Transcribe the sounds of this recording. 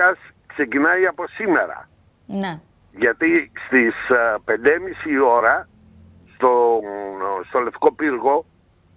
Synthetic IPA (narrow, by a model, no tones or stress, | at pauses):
ɐs | kse̞cinɐiɐpo̞sime̞ɾɐ̰ | n | ʝɐt̪ist̪ispe̞nd̪emisio̞ɾɐ | st̪o | st̪o̞left̪i̥ko̞piɾɣo̞